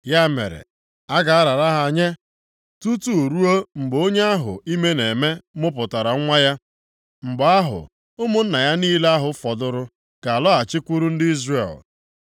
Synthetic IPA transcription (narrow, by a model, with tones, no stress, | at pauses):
ja˦mḛ˨ɾḛ˨ | a˦ɡa˨a˦ɾa˨ɾa˦ɦa˨a˨ɲe˦ | tu˦tu˦˨ɾu˦o˦ŋ͡m̩˨ɡ͡bo˦ɲe˦a˦ɦʊ̰˨i˦me˦ne˨me˦mʊ˦pʊ˨ta˨ɾa˨˦ŋʷa˦ja˦ | ŋ͡m̩˨ɡ͡ba˦ɦʊ̰˨ | ʊ˦mʊ˦n̩˦na˨ja˦niː˦la˦ɦʊ˨fɔ˨dʊ˦ɾʊ˦ | ka˨a˨lɔ˦a˨t͡ʃɪ˦kʷu˦ɾu˦n̩˦dɪ˦i˦zrḛ˨l